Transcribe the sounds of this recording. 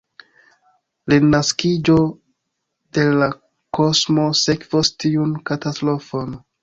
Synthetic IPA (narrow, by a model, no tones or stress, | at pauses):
linaskid͡ʒo̞ | de̞la | ko̞smo̞sekvostiunkatastɾo̞fon